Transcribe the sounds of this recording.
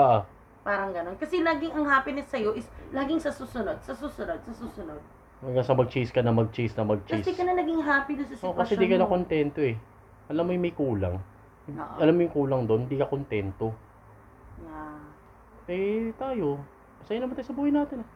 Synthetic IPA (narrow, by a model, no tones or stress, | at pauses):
ʔaʔa | paːɾɐŋɡɐno̞nkɐsɛlaːɡɪŋɐŋɦaːpɪnɪsɐjo̞ʔɪslaːɡɪŋsɐsuːsʊnod̪̚sɐsuːsʊnod̪̚sɐsuːsʊnod̪̚ | ɐŋɡɐŋsɐmɐɡ̚t͡ʃiskɐnɐmɐɡ̚t͡ʃisnɐmɐɡ̚t͡ʃkɐisɛkɐnɐnɐɡɪŋɦaːpid̪ʊnsɐsɪoʔkɐsɛd̪ikɐnɐkont̪ɛnt̪o̞ʔɛ | ʔɐlamːojʊŋmɐjkuːla̰ŋ | ʔʔɐlamːojʊŋkuːlɐŋd̪onhɪnd̪iːkɐkont̪ɛnt̪o̞ | ja | ɛt̪aːjo̞ | ɐsɐjanɐmɐnajsɐbuːhɐjnaːt̪ɪnɐ